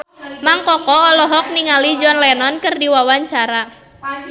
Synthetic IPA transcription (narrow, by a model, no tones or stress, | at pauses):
maŋkɔkɔɔlɔɦɔk̚niŋalid͡ʒɔnlɛnɔnkɨrdiwawaɲt͡ʃaɾa